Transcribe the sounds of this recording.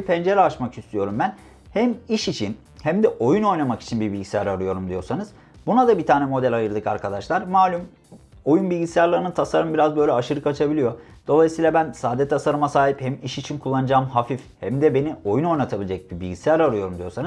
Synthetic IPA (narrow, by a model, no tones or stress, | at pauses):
ipʰɛnd͡ʒeɾɛaʃmakist̪ʰyjo̞ɾumbæn | hæmiʃit͡ʃʰin | hæmd̪ɛʔo̞juno̞jnamaki̥t͡ʃʰinbibilʲɟisʲijæɾaɾɯjo̞ɾumd̪ijo̞sanɯz̥ | bunad̪abit̪ʰaːnɛmo̞d̪ɛlʲajɯɾlˠɯkaɾkʰad̪aʃlˠaɾmaːlʲum | o̞junbilʲɟisijaɾlˠaɾɯnɯt̪ʰasaɾɯmbiɾazbø̞jlʲɛaʃɯɾɯkat͡ʃʰabilʲijo̞d̪̥o̞lˠajisɯijlˠabænsaːd̪ɛt̪ʰasaɾɯmasaːɦiphɛmiʃit͡ʃʰinkʰulˠːanɯd͡ʒaːmɦafifhɛmd̪ɛbe̞nio̞juno̞jnat̪ʰabilʲid͡ʒɛc̚bibilʲɟisijʲæɾaɾɯjo̞ɾumd̪ijo̞sanɯz̥